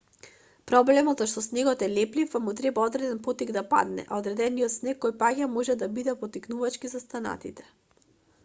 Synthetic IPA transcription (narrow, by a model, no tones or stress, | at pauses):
pɾɔblɛmɔt̪zɔʃt̪ɔsnɛɡɔt̪ɛlɛplifamut̪ɾɛbaɔd̪ɾɛd̪ɛnpɔt̪iɡd̪apa̰d̪nɛ̰ʔa̰od̪ɾɛd̪ɛnijɔt̪snɛkːɔjpaɡʲamɔʒɛd̪abid̪ɛpɔt̪iknuvat͡ʃkizast̪ana̰t̪it̪ɛ̥